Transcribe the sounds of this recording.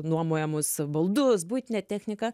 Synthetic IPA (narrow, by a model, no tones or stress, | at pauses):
nuɔmoːjɛmʊsbɐlˠd̪ʊsbuːt̪ʲɪnʲɛt̪ʲæːxʲnʲɪkɐ